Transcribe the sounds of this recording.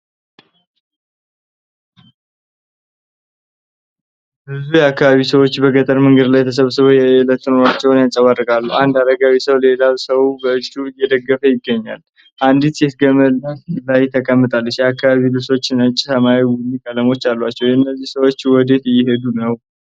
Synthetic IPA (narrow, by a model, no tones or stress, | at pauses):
bɨzujɛakːaβaβisəwo̞t͡ʃːbəɡət̪ʼəɾmɨŋɡəd̪lajt̪ʰəs̬əβsɨβəjɛlət̪ːɨnoɾat͡ʃːɛwnjat͡ʃʼəβadːɨɡʼalːuʔand̪ad̪əɡawisəwle̞laβsəwbəɨt͡ʃʼːujɛd̪əɡːəfəjɪɡːəɲːa̰l | ʔand̪it̪set̪ɡəməllajt̪ʰəkʼəmːɨt̪ʼalːəʃjɛakːaβaβilɨβso̞t͡ʃːɪnɨt͡ʃʼːsəmawiwʊlːikʼələmo̞t͡ʃːalːwat͡ʃːɛwɨnːəzːihsəwo̞t͡ʃːwɔd̪e̞t̪jɪɦe̞d̪unəw